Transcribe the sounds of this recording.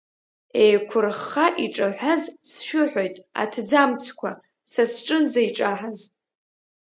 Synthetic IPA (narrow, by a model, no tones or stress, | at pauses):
ejkʷʰʊrχaʔiʈ͡ʂʼaħʷazsʃᶣʊħʷᶣojtʼa̰tʰd͡zamt͡sʰkʷʰa | sasʈ͡ʂʼɨnzaiʈ͡ʂʼaħaz